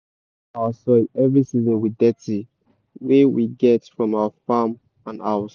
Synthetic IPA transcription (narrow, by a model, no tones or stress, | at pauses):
aəsɔɛvɹisizə̃nwidɛti | wewiɡɛtfɹɔ̃mawəfam | ãna̰ʊs